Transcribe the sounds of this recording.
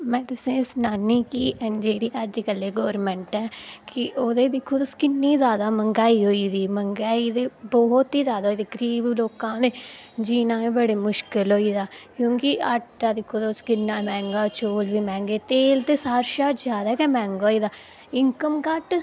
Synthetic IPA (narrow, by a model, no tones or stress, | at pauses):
mɛ̃ːt̪ʊsẽːsnaːniːkiːʔd͡ʒeːɽiːʔəd͡ʒkəlːeːɡɔːɾmɛ̃ːɳʈɛːkɪʔoːd̪eːd̪ɪkʰːuːʊskɪnːiːzjaːd̪aːməŋɡaːiːɦoːiːd̪iːməŋɡaːiːd̪eːbɔːɦt̪iːzjaːd̪aːɦoiːd̪iːɡəɾiːbloːkãːd̪ẽːd͡ʒiːnãːĩːbəɽeːmʊʃkɪlɦoːiːd̪aːkjõːkɪəʈd̪aːd̪ɪkʰːoːd̪aʊskɪnːãːmɛ̃ːŋɡaːt͡ʃoːlʋiːmɛ̃ːŋɡeːt̪eːlt̪eːsaːɾʃaːzjaːd̪aːkɛːmɛ̃ːŋɡaːiːd̪aː | ɪŋkəmkəʈ